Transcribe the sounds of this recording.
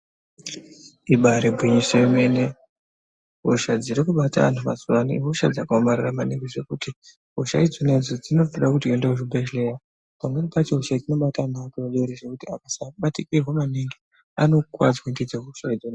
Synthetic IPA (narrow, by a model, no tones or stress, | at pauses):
iɓaɾibʱwiɲisoomene | ɦoʃad͡ziɾikuɓata̰ʋa̰ntʰuʋa̰zuwaniɦoʃad͡zakaomariramaniŋɡiʐe̞kuti | ɦoʃaid͡zoned͡zod͡zino̞foɗakutiendeuʐibʱeʃle̞ja | pamwenipat͡ʃeɦoʃaid͡zino̞ɓatanakiʋaɗouɾiʐe̞kutiakasaɓatikirwomaniŋɡi | ano̞kwa̰d͡zwendid͡zeɦoʃaid͡zone